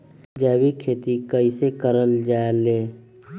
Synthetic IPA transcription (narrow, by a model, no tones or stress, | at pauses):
d͡ʒɛːwikʰeːt̪ikəisekəɾəld͡ʒaːeleː